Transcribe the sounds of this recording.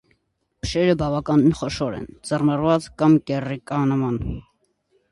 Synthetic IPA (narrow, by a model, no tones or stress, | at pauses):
bə̥ʃɛɾəbɑvɑkɑninχɔʃɔɾɛ̰nd͡zərmɑrvɑt͡skɑmkɛrikɑnəmɑn